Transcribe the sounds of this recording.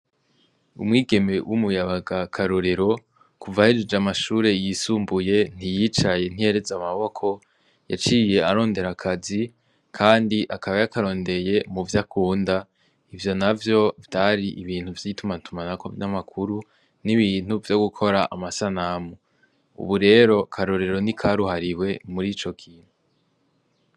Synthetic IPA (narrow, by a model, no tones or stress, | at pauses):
ṵmŋiːɡe̞me̞wʔumujaβaɡakʰaɾoɾe̞ɾo̞ | kuvahed͡ʒid͡ʒamaʃuːɾe̞jisuːmbuje̞n̥ijit͡ʃaje̞n̥ieɾezamaβo̞kʰo̞ | ja̰t͡ʃije̞aɾo̞ːnde̞ɾakʰazi | kʰaːndiʔakaβajakaɾo̞ːnde̞je̞muvjakʰuːnda | ivjo̞navjo̞vjaɾiʔiβiːn̥huvjitumantumanako̰vjamakʰuɾu | niβiːn̥uvjo̞ɡukʰo̞ɾaʔamasanamu | ṵβuɾe̞ːɾo̞kʰaɾo̞ɾe̞ɾo̞nikʰaɾuhaɾiwe̞muɾiːt͡ʃo̞kʰiːn̥hu